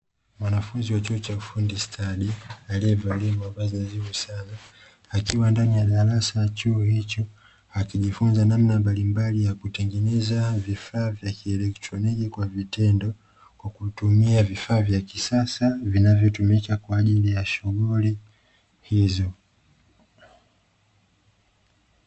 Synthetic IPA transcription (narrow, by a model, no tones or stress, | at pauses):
mwanafunziwat͡ʃuɔt͡ʃaufundistʰaɗialiiɛvalɛmuambazinazivusanaː | kiwandanijaɗaɾasajat͡ʃuːhit͡ʃɔ | akiʄifunzanamnambalimbalijakutɛŋɡɛnɛzavifaːvjakiɛlɛktɾɔnikikwavitɛndɔ | kwakutumiavifaːvjakisasavinavjɔtumikakwaːʄilijaʃuɣuli | hizɔ